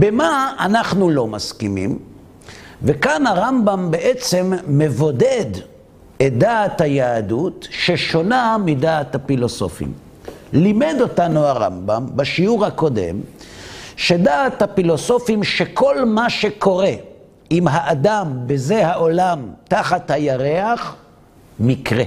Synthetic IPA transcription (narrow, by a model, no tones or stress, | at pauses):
bemaanaχnulo̞maskimḭm | vekanaʁambambe̞ʔet͡se̞mːe̞vo̞ded | et̚d̪aːthajaːdutʃeʃo̞namidaːt̪hafilo̞so̞̰fḭm | limed̪o̞tanuaʁa̰mba̰mbaʃiuʁhako̞de̞̰m | ʃe̞daːthafilo̞so̞fimʃeko̞lmaʃe̞ko̞ʁe̞ | imɦaʔad̪ambeze̞haʔo̞lamt̪aχathajaʁeaχ | mikʁe